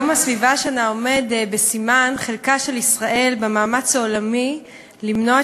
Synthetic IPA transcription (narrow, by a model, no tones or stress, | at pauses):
masvivaʃeanao̞me̞dbe̞simanχe̞lkaʃe̞lisʁaʔe̞lbemaːmat͡shaolami | limnoa